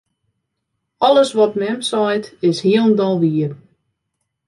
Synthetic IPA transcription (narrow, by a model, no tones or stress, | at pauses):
ɔlˠəsʋɔtmɛmsɔjtɪshiəlˠndɔlˠʋiər